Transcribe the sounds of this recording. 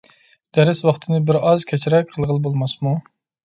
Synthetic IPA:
d̪̥ɛɾɪswɑχt̪ʰɨnɨbɪɾɑzkʲʰɛt͡ʃʰɪɾɛk̚ʲqʰəlˠʁəlˠbolˠmɑsmu

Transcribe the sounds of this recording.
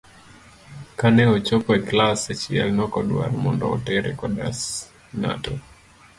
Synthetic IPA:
kanɛɔt͡ʃɔpɔɛklasɛt͡ʃiɛ̰lnɔkɔɗwa̰ɾmɔndɔɔtɛɾɛ̰kɔdas | na̰tɔ

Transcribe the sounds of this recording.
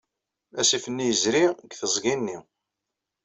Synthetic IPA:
æsifənːijəzɾiɡθəzˤɡinːi

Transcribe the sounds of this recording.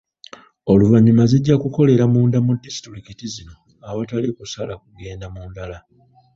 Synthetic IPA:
o̞luvaɲːumaziɟːakuko̞le̞ɾamuːndamudisi̥tuɾikitizino̞ | aβatalikusalakuɡe̞ːndamuːndala

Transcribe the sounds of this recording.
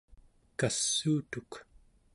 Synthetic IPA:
kasːuːt̪uk

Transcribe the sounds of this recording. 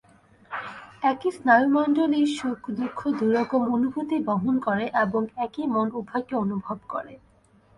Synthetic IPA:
ɛkisnɔjumɔnɖoliɾʃukʰd̪ukʰːod̪uɾɔkomonubʱut̪iboɦonkoɾeʔeboŋɛkimonubʱajkeonubʱobko̰ɾe

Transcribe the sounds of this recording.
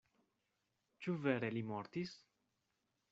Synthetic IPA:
t͡ʃuvɛɾelimɔɾt̪is

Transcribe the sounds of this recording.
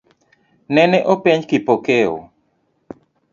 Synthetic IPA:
nɛnɛʔopiɲkipokeo̰

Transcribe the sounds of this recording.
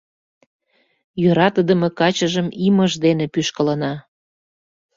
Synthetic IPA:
jøɾɑt̪əd̪ə̆mekɑt͡ɕəʒəmiməʒd̪enepyʃkə̆lənɑ

